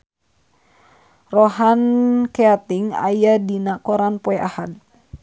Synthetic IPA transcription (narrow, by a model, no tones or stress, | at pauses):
rɔɦankeat̪iŋa̰jadinakɔɾanpɔɛʔahad̪̚